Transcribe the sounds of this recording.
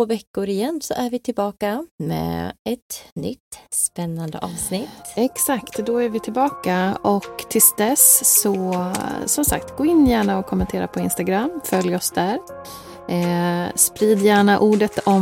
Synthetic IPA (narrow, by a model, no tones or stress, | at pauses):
oːvɛkːʊɾɪjɛnːsɔ̰ʔæɾvɪt̪ʰɪlbɑːkamɛ̰ːɛt̪nʏ̰t̪ːspɛnːand̪ə̰ʔɑːvsnɪt̪ːɛksakt̪d̪ɔæɾvɪt̪ʰɪlbɑːkaɔkt̪ʰɪlsd̪ɛsɔ | sɔmsa̰kt̪ɡoːɪnːjæːɳaɔkʰːɔmːɛnt̪ʰeːɾa̰pʰɔɪnst̪aɡɾamfœljɔsd̪æɾ | spɾiːd̪jæːɳaʔuːɖət̪ɔ